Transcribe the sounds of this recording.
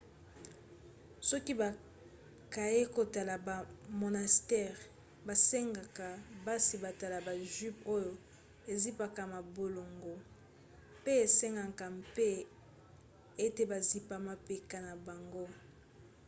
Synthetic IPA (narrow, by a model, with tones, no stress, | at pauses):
sɔ˦ki˦ba˨ | ka˨je˦ko˨ta˨la˨ba˨mo˨na˨stɛ˦˨ʁ | ba˨se˦ŋɡa˨ka˨ba˦si˨ba˨ta˨la˨ba˨ʒy˦po˦jo˨ | e˨zi˦pa˨ka˨ma˨bo˨lo˨ŋɡo˨ | pe˦e˨se˦ŋɡa˨ka˨mpe˦ | e˦te˨ba˨zi˨pa˨ma˨pe˨ka˦na˨ba˨ŋɡo˦